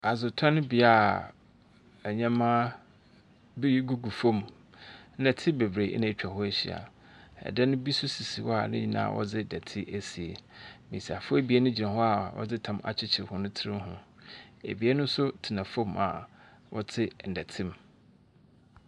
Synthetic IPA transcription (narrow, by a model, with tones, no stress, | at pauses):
a˨zʊ˨tʰã˦nʊ̃˦bi˨a˦˨ | æ˨ɲã˦mãː˦ | bi˦ji˦ɡu˦ɡu˨fõ˦m | n̩˦dɛ˨tʰɪ˦be˨bɾe˨ʔnã˦˨˦t͡ɕᶣa˨hɔ˦e˦ɕi˨a̰˨ | ɛ̰˨dɛ˦nʊ̃˦bi˦sʊ˦si˨si˨wɔ˦a̰˨nɪ̃˦ɲi˦˨nã̰ː˦˨ʔɔ̰˦d͡zɪ˦dæ˨tʰɪ˦ʔæ˦si˨e˨mḭ̃˨si˨a˨fʊ˦e˦bi˦e˦nʊ̃˦d͡ʑi˨nã˨ɦɔ˦a˨wɔ̰˦d͡zɪ˦tʰã˨ma̰˨t͡ɕʰɪ˦t͡ɕʰɪ˨hʊ˦nʊ̃˦tʰɪ˦ɾɪ̃˦ɦʊ̰̃˨ḛ˨bi˨e˦nʊ̃˦n̩˦sʊ˦tʰɪ˨nã˨fõ˦˨ma̰˨ | wɔ˦tʰɪ˦n̩˨dɛ˨tʰɪ̃˦m